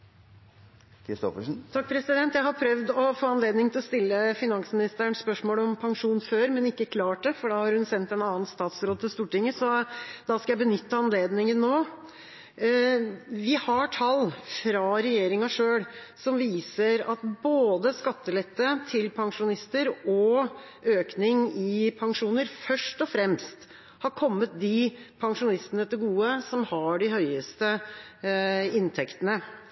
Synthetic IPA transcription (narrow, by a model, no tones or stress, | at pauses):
kʰɾɪst̪ɔ̰fəʂn̩t̪ʰɑk̚ːpʰɾɛsɪd̪ɛnt̪jæɪhɑɾpʰɾœʋd̪ɔfoːɑnleːd̪nɪŋt̪ɪlɔst̪ɪlːəfɪnɑŋsmɪnɪst̪əəɳspœʂmoːlɔmpʰɑŋʂuːnføːɾmɛnɪkːəkʰlɑːʈɛfɔɖɑhɑɾhʉnsɛnt̪ɛnɑːnst̪ɑːt̪sɾoːd̪̚t̪ʰːɪlst̪uːʈɪŋːəsɔd̪ɑskɑjæɪbənʏt̪ːəɑnleːd̪nɪŋənːoː | ʋɪhɑʈʰɑlːfɾɑɾɛjeːɾɪŋɑʂøːɽ | sɔmʋiːsəɾɑt̪boːd̪əskɑt̪ːəlɛt̪ːət̪ʰɪlpʰɑŋʂʊnɪst̪əɾɔ | øːknɪŋɪpʰɑŋʂuːnəɾfœʂʈɔfɾɛmst̪ | hɑɾkʰɔmːət̪̚d̪ɪpʰɑŋʂʊnɪst̪ənət̪ɪɡuːəsɔmhɑɖɪhœʏəst̪ə | ɪnt̪ʰɛkt̪ənə